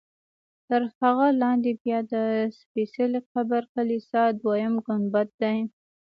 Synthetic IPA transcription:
t̪əɾhaɣalɑnd̪ebjɑd̪əspiseliqabaɾkalisɑd̪wajəmɡʊnbat̪̚d̪aj

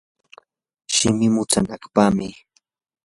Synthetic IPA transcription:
ʃɪmɪmʊt͡sanakpamɪ

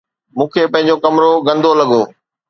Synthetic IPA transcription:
mũːkʰepɐ̃ɦɪ̃ɲ̆d͡ʑokɐmɾoɡɐ̃nd̪ʱolɐɡoː

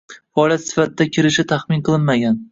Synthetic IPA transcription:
fɒlˠjat̪sɪ̥fat̪ʰɪd̪akʲʰɪɾɪʃɪt̪ʰaχmɪnqʰɨlˠɪnmaɡʲan

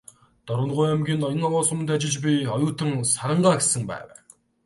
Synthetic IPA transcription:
t̪ɔɾə̆nʁʊjæmɡʲiːnt̪ɔjɞ̆ŋɔwaːsʊmnt̪at͡ɕɪ̆ɮt͡ɕpʲiɔjʊːt̪ə̆ŋsaɾə̆ɴɢaːɡe̥sɘ̆ŋpæ̰ːw

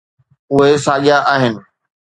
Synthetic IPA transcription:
ʊɦesaːʄjaʔaːɦɪnɪ̆

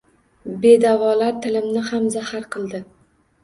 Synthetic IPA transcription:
be̞d̪avɒlaɾt̪ʰɪlɪmnɪhamzahaɾqʰɨlˠd̪ɪ

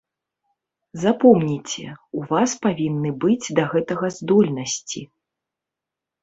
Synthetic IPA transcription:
zapɔmnʲit͡sʲɛ̰uvaspavʲinːɨbɨd͡zʲd̪ɐɣɛt̪ɐɣɐzd̪ɔlʲnɐsʲt͡sʲḭ

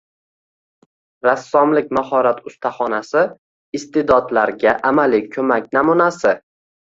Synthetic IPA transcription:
ɾasːɒmlɪk̚ʲmaɦɒɾat̪ʰʊst̪ʰaχɒnasɪ | ɪst̪ɪd̪ɒd̪laɾɡʲaʔamalɪkʰɵmakʲnamɒnasɪ

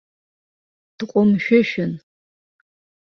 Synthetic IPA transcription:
d̥ɨqʷʼɔmʃᶣɪʃɪn

